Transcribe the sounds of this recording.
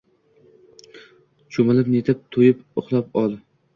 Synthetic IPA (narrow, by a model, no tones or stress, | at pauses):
t͡ʃʰomɪlɪpnet̪ʰɪp̚t̪ʰojɪpʊχlˠapɒlˠ